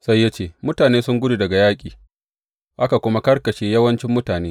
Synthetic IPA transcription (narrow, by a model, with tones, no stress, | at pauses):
sa˦jːa˦t͡ʃeː˦mʊ˦taː˨neː˦sʊ˦ŋɡʷʊ˦du˨dɐ˨ɡa˨jaː˦kʲʼiː˨ | ʔa˦ka˨kʷʊ˦ma˦kɐ˦rkɐ˨ʃeː˦jɐ˦wɐ˦nt͡ʃɪ˦mːʊ˦taː˨neː˦